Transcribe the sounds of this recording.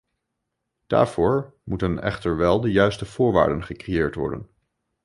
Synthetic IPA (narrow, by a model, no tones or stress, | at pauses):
d̥a̰ːɹv̥ʊːɹ | mutənɛ̰χtəɹʋɛlˠdəjœɥstəv̥ʊːɹʋa̰ːɹdənχəkrejɪːɹtʋɔ̰ɹdə̰n